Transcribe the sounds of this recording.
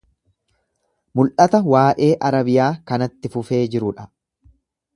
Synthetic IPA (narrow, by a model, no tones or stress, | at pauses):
mʊlʔɐt̪ɐwaːʔe̞ːʔɐɾɐbɪjaːkɐnɐt̪ːɪfʊfe̞ːd͡ʒɪɾʊᶑɐ